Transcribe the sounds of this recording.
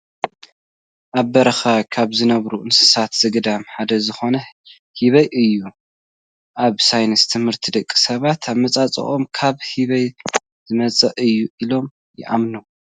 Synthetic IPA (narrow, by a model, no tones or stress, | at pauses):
ʔaβːɐɾɐxakʰaβzɨnɐβɾuʔɨnsɨ̥sat̪z̥ɨɡɨd̪amħad̪ɐzɨxo̞nɐ | hiβɐjʔɨjːu | ʔaβsajnɨst̪ʰɨmhɨɾt̪ʰid̪ɐkʼːi̥sɐβat̪ʰaβmɐt͡sʼat͡sʼɐ̰χʼo̞mkʰaβhiβɐj | z̥ɨmɐt͡sʼɐʔɨjːuʔilo̞m | jɪ̰ʔa̰mno